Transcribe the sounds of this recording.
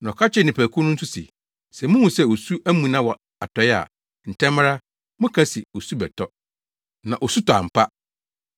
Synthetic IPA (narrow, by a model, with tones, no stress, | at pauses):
n˨ɔ˨kʰa˦t͡ɕʰɪ˦˨nɪ̃˨pʰæ˨kʰu˦nʊ̃˦n̩˦sʊ˦sɪ̰˨ | sɛ˨mʊ̃˦hũ˨sɛ˦˨o˨su˦ʔæ˦mũ˨nã˦wɔ˨ | a˨tʰɔ˨˦ɛ˦a̰˨ | n̩˨tʰɛ̃˦m˦ɾa˦ | mʊ̃˦kʰa˦si˨o˨su˦bɛ˨tʰɔ˦ | nã̰˨ʔɔ˨su˦tʰɔ˨a̰˨m̩˨pʰa˦